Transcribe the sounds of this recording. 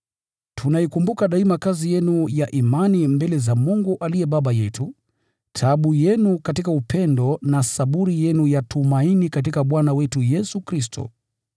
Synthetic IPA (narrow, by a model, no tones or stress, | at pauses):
tʰunaikumbukaɗaimakazijɛnujaʔimanimbɛlɛzamuŋɡuʔalijɛɓaɓajɛtu | tʰaɓujɛnukatikaupʰɛndɔnasaɓuɾijɛnujatʰumainikat̬ikaɓwanawɛtujɛsukɾistʰɔ̰